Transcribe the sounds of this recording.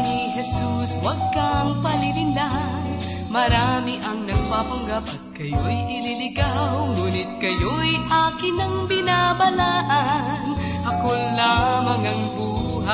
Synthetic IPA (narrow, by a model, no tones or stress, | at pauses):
niɦɛsuswɐɡ̚kaŋpɐlɪlɪlan | mɐɾaːmɪʔɐŋnɐɡ̚paːpɐŋɡap̚ɐt̪̚kɐjojʔɪlilɪɡaŋuːnɪt̪̚kɐjojʔaːkɪnɐŋbɪnaːbɐlaːʔan | hɐkolːamɐŋɐŋbuː | ɦa